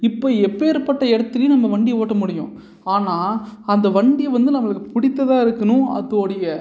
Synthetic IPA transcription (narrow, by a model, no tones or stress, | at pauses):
ɪpːoːɛpːeːɾpɐʈːɐɛɽɐt̪ːɯljɪ̃nɐmːɐʋɐɳɖɪjɐoːʈːɐmʊɽɪjʊ̰̃ | aːnaːɐnd̪ɐʋɐɳɖɪjɐʋɐnd̪ɯnɐmːɐɭɯkːɯpʊɽɪt̪ːɐðãːɪɾɯkːɐnʊ̃ɐ̰ðoːɽɐjɐ